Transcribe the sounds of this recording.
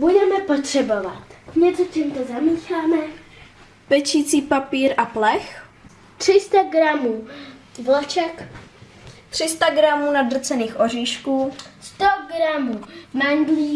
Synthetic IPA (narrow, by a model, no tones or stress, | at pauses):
budɛmɛpot̪r̥ɛbo̞vat̪ɲɛt͡socimt̪ozamiːxaːmɛ | pɛt͡ʃiːt͡siːpapiːɾʔaplɛx | t̪r̝̥ɪst̪aɡɾamuːvlɛt͡ʃɛk | t̪r̝̥ɪst̪aɡɾamuːnad̪r̩t͡sɛniːxʔo̞r̝iːʃkuːst̪oɡɾamuːmaŋɡliː